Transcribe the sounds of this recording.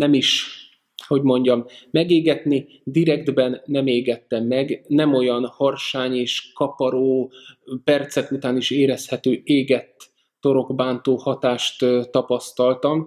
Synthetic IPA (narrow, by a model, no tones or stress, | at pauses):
nɛmiʃ | ho̞ɟmo̞ɲɟɒmːɛɡeːɡɛt̪ni | d̪iɾɛɡd̪bɛnːɛmeːɡɛt̪ːɛmːɛɡnɛmo̞jɒnhɒrʃaːɲeːʃkɒpɒɾoːpɛrt̪sɛkut̪aːniʃeːɾɛshɛt̪øːeːɡɛt̪ː | o̞ɾo̞ɡbaːnt̪oːhɒt̪aːʃt̪t̪ɒpɒst̪ɒlt̪ɒm